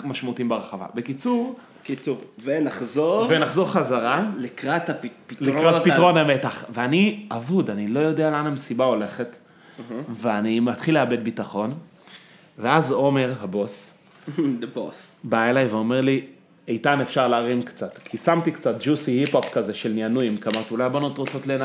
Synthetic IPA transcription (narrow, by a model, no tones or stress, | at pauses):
maʃmaut̪iimbeʁeχava̰bekit͡suʁ | kit͡suvenaχzoʁvenaχzo̞ʁχazaʁalikʁat̪appitlikʁatpitʁo̞nametaχveaniavudanilo̞jo̞dealanaemsibao̞le̞χe̞t | veanimat̪χileabe̞d̚bitaχo̞n | veazo̞me̞ʁhabo̞s | dbosbaelajveo̞me̞ʁli | ejtanefʃaʁleaʁimkt͡satkʰisamt̪ikt͡sat̚d͡ʒusihipopkazeʃelnianujimkamat̪iulajbanut̪ʁot͡so̞tlena